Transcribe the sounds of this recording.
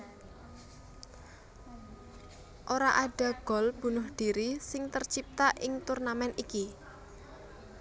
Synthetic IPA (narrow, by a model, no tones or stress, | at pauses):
ʔoɾaʔaɖ̥ä̤ɡ̥ɔ̤lb̥ṳnʊhɖ̥i̤ɾisɪŋt̪ərt͡ʃip̚t̪aʔɪŋt̪urnamɛnʔiki